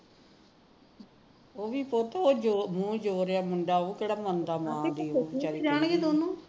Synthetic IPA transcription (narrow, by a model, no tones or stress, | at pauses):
oːʋiːpoɾt̪ːoːd͡ʒomũːd͡ʒoːɾeaːmʊɳɖaːoːkeːɽaːmənd̪aːmãːd̪iːoːit͡ʃaɾid͡ʒaːɳɡeːd̪oːnũː